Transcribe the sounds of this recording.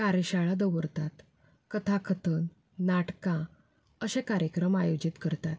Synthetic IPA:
kaɾjəɕaɭad̪əʋəɾt̪at̪ | kət̪ʰakʰət̪ən | naʈkã | əɕẽkaɾjəkɾəmajod͡ʑit̪kəɾt̪at̪

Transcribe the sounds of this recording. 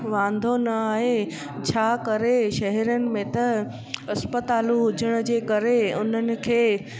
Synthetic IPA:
ʋãːnd̪ʱonɐaːɦe | t͡ɕʰaːkɐɾeʃɐɦɛɾijənɪ̆mẽt̪ɐ | ɐspət̪aːluɦʊd͡ʑʱəɽ̃ə̆d͡ʑeːkɐɾeʊn̤ənɪ̆kʰeː

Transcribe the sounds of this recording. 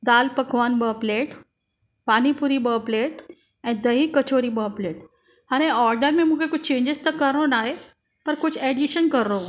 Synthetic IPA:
d̪alpəkʋanbəpleʈ | pañipuɾiːbəpleʈ | ɛ̃d̪əɦiːkət͡ɕoɾiːbəpleʈ | ɦaɾẽɔɾɖəɾmemuɡekut͡ʃʰt͡ɕẽɲd͡ʑest̪əkəɾnonaɦe | p̪əɾkut͡sʰeɖiɕənkəɾːo

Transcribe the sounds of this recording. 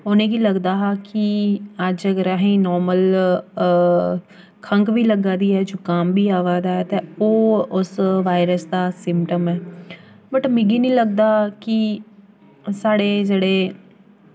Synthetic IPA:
oːnẽːɡiːləɡd̪aːɦakiəd͡ʒəɡəɾaːɦĩnɔːɾməl | kʰə̃ŋkbiːləɡaːd̪iːɛːd͡ʒoːkambʱiːaːʋaːd̪aːɦɛt̪eoːʊsʋaːɪɾəsd̪aːsɪmpʈəmɛː | bəʈmĩɡiːnĩːləɡ̚d̪aːki | saːɽeːd͡ʒeːɽeː

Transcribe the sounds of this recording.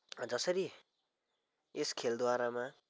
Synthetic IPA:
d͡zʌsʌɾi | eskʰeld̪waɾama

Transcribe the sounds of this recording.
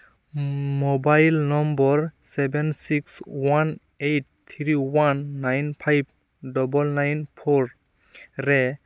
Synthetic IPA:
mobajlnɔmbɔɹsɛbɛnsikswan | ejt̚ | t̪ʰɹiwanːajnpʰajb̚ | dɔbɔlnajnpʰoɹ | ɾɛ

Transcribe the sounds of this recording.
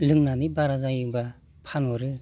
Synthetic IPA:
lɯŋnanibaɾazajiba | pʰanɔɾɯ

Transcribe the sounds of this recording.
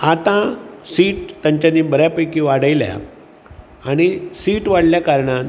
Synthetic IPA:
at̪ãsiːʈt̪ːaɲt͡ɕanibəɾjapəkiʋaɽəjlja̰ | aɽ̃isiːʈʋaɽ̤ljakaɾɳãt̪

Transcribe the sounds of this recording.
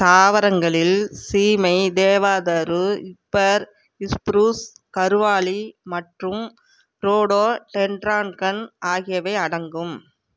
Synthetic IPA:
t̪aːʋɐɾɐŋɡɐɭɪlsiːmɐɪd̪eːʋaːðɐɾɯɪpːɐɾ | ɪspɾuːskɐɾɯʋaːɭimɐʈrɯm | ɾoːɽoːʈɛɳɖɾaːnkɐnʔaːɣɪjɐʋɐɪɐɽɐŋɡɯm

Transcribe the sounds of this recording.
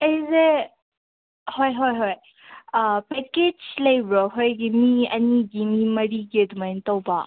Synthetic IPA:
ɐjze | hojɦojɦoj | peked͡ʒlɐjbɾɔɦojɡimiɐ̰niɡimimɐɾiɡiɐdumajntɐwba

